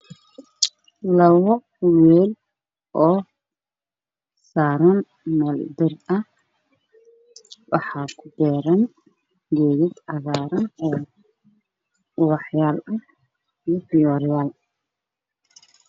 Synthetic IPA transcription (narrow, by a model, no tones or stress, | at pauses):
lɐwɔ | wɛːl | ʔɔː | saːɾɐn | mɐld̪ɪrɐh | wɑħɑːkʰʊd̪ɛːɾɐn | ɡɛːɣɪd̪ʕɑɣaːɾɐnɔː | wɑħjaːlɐh | ifɪjɔɾjaːl